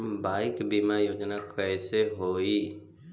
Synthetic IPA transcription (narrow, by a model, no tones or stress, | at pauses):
mbaɪkbimajoːd͡ʒnakɛjseɦoi